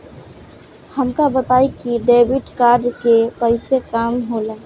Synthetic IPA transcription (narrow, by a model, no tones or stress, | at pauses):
həmkabət̪aːikiɖeːbɪʈkaːɾɖkepəɪsekaːmɦolaː